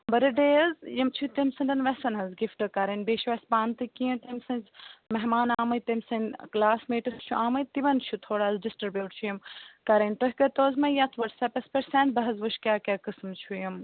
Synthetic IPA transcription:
bɐɾɐɖeːɐzjɐmt͡ʃʰut̪ɐmsɐnʲd̪ɐnʋɐsɐnɦɐzɡifʈɨkɐɾɐnʲbeːʃʋɐspaːnt̪ɨkijũt̪ɐmsɐ̃nʲzmɐɦmaːnaːmɐt̪ɐmsɐnklaːsmeːʈɐst͡ʃʰuʔaːmɐjt̪iʋɐnt͡ʃʰut̪ʰoːɽaːzɖisʈɾibjuːʈt͡ʃʰujɐmkɐɾɐnʲʈɐɦʲkɐt̪oːzmɐjat͡s̪ʰʋɐɖsɐpɐspɐɾsẽːnt̪̚bɐɦɐzʋuʃkʲaːkʲakɨsmt͡ʃʰujɐm

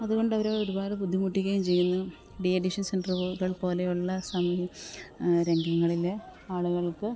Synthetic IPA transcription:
ɐðuɣo̞ɳɖɐʋɐɾeːoɾubaːɾbud̪ʱːimuʈːiɣːɐjumt͡ɕe̞jːunːu | ɖieɖiʂɐnsenɖrɣɐɭpo̞ːlejuɭːɐsɐmi | ɾeŋɡɐŋːɐɭileaːɭuɣɐɭkɨ

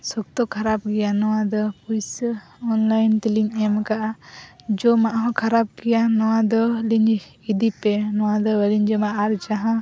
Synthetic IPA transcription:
sɔk̚t̪ɔkʰaɾap̚ɡɛjanɔwad̪ɔpujsɔnlajnt̪iliŋɛmkaʔad͡ʒɔmaʔɦɔ̃kʰaɾab̚ɡɛjanɔwãd̪ɔliɲd͡ʒ | id̪ipɛnɔwad̪ɔwɛliɲd͡ʒɔmaʔːɾd͡ʒaɦã

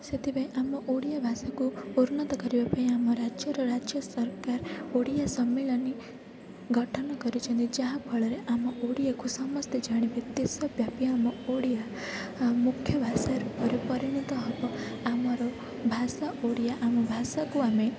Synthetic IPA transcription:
set̪ʰibajʔamɔʔoɽijabʱasakuuɾunɔt̪ɔkɔɾibapaĩamɔɾad͡ʒjɔɾɔɾad͡ʒjɔsɔɾkaɾoɽijasɔmːeɭɔni | ɡʱɔʈʰɔñɔkɔɾut͡ʃʰɔnt̪id͡ʒaɦapʰɔɭɔɾeʔamɔʔoɽijakusɔmɔst̪ʰed͡ʒaɽ̃ibit̪jesɔbjapiamɔoɽija | mukʰjɔbʱasaɾupɔɾepɔɾiɽ̃it̪ɔɦɔbɔamɔɾɔ | bʱasaʔoɽijaʔamɔbʱasakuame

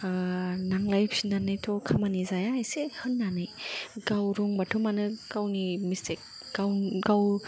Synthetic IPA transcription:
naŋlajpsinanajtʰɔkʰamanizajajsehɯnːanɯjɡawɾɔŋbatʰɔmanɯkawnimistek̚ | ɡawɡaw

